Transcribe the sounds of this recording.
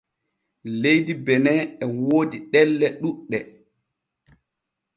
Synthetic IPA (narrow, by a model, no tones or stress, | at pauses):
lejdibɛnɛɛwoːdiɗɛlːɛɗuɗːɛ